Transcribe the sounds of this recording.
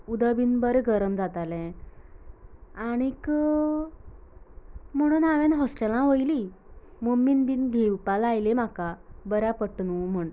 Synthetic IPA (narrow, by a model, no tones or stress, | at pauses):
ud̪əbinbəɾeɡəɾəmd͡zat̪alɛ̃ | aɽ̃ik | m̤əɽ̃uːnaʋenɦɔsʈelãɦojlimominbiːnɡʱewpalajlemakabəɾjapəʈnum̤əɳ